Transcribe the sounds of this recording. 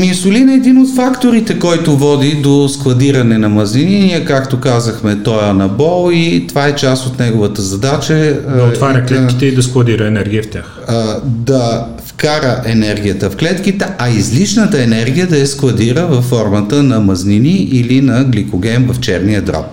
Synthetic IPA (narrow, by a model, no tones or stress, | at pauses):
minsʊlinɛd̪inot̪fakt̪oɾit̪ɛkɔjt̪ʊvɔd̪id̪osklˠɐd̪iɾɐnɛnɐmɐznininijəkakt̪okazəxmɛt̪ɔjənɐbɔlˠit̪ovaɛt͡ʃast̪ot̪nɛɡovət̪əzɐd̪at͡ʃəd̪ɐt̪vaɾʲɐklɛtkʲit̪ɛid̪ɐsklˠɐd̪iɾəɛnɛɾɡʲiəft̪ʲax | d̪ɐ | ftkaɾəʔɛnɛɾɡ̟ʲijət̪əfklɛt̪kit̪ɛʔɐizliʃnət̪əɛnɛɾɡijəd̪ɐɛsklɐd̪iɾəvɐfːɔɾmət̪ənɐmɐzniniʔilinɐɡlikoɡ̟ɛmvɐft͡ʃɛɾniəd̪ɾɔ̰p